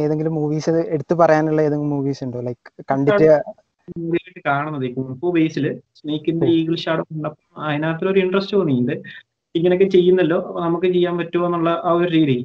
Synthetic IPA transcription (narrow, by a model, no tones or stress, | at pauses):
eːðe̞ŋɡilumːuːʋiːsɐe̞ɽut̪ːɨpɐrɐjaːnuɭːɐeːðeŋɡilmuːʋiːsuɳɖoːlɐjkɨ̥kɐɳɖiaːtːɨ | muːʋiiʈːɨkaːɳunːɐðekːumɐpːoːbejsilɨsnehikʲːund̪ɐiːɣiɭɕaːɽɐmuɳɖɐpːoɐðinaːt̪ːiloɾuiɳɖrɐstːuɐnːijːunɖɨ | iŋːɐnokːet͡ɕe̞jːunːɐlːo̞ːɐnɐmukːɨt͡ɕejːaːnpɐtːuenːuɭːɐʔaːoɾuɾiːɾi